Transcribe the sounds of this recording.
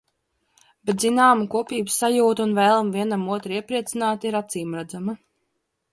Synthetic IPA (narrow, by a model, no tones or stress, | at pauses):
b̥ɛt̪zinaːmukuɔpʲiːbɨsːajuːt̪uunvɛːlˠmviɛnamuɔt̪ɾiɛpɾiɛt̪sinaːt̪iɾat̪siːmɾad̪zama